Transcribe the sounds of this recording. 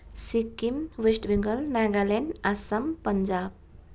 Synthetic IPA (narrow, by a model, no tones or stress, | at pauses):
sikimʋesʈbiŋɡəlnaɡalenasəmpəɲd͡ʑab̚